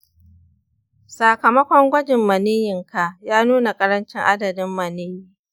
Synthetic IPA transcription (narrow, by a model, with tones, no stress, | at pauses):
sa˨kɐ˨mɐ˦kʷɔ˦ŋɡʷɐ˦d͡ʒɪ˨mːɐ˨niː˦jɪ˨ŋka˨jaː˦nuː˦na˨kʼɐ˦ɾɐ˦nt͡ʃɪ˦ŋʔa˦dɐ˨dɪ˦mːɐ˨niː˦jiː˦